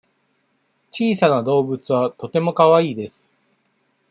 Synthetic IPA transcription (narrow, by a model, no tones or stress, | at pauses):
t͡ɕiːsanad̪o̞ːbɯ̟t͡sɨβat̪o̞t̪e̞mo̞kaβaiːd̪e̞sɨ̥